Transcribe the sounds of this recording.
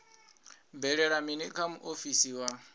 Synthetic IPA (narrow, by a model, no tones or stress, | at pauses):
bɛɺɛɺaminɛkʰamuʔofisiwa